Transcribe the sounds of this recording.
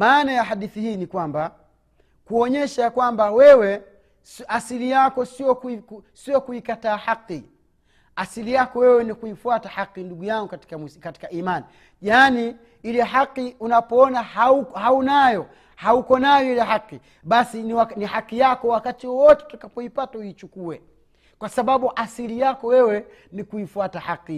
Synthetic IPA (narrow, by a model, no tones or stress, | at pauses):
maːnajaɦaɗiθihiːnikwamba | kuɔɲɛʃajakwambawɛwɛ | sasilijakɔsiɔkkusiɔkuikataːhaqːi | asilijakɔwɛwɛnikuifuatahaqːinduɡujaŋɡukati̥kamkati̥kaʔimani | ʄaːni | ilɛɦaqːiunapɔɔnahauhaunajɔ | haukɔnajɔilɛɦaqi | ɓasiniwanihaqijakɔwakatiwɔwɔtɛ̥tutakapɔipatauit͡ʃukuɛ | kwasaɓaɓuʔasilijakɔwɛwɛ | nikuifuatahaqːi